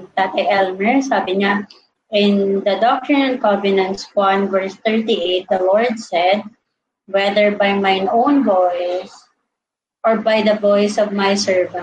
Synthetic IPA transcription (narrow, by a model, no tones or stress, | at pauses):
t̪aːt̪ɐjʔɛlmɛɹsaːbɪɲa | ʔɪ̃nd̪ɐd̪ɔk̚t̪ɹɪnɐ̃n̚kɔvɪnɐ̃nt̪swãnvɛɹst̪ɛɹt̪iʔet̪̚d̪ɐlɔɹd̪̚sɛd̪̚ | wɛd̪əɹbajmajnõwnvojs | ʔɔɹbajd̪ɐvɔjsɔvmajsɛɹvãn